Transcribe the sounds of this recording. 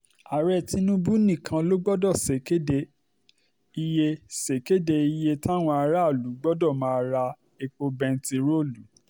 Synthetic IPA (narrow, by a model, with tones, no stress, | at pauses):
a˨ɾɛ˦˨ti˧nũ˦bu˦nĩ˦˨kʰã˧lo˦ɡ͡bɔ˦dɔ˦˨se˨ke˦de˧˨ | i˧je˧se˨ke˦de˧i˧je˧ta˦˨w̃ɔ̃˧a˧ɾa˦˨lu˨˦ɡ͡bɔ˦dɔ˦˨mãː˦a˧ɾa˧ | e˧k͡po˧bɛ̃˧n̩˦ti˧ɾo˦˨lu˨˦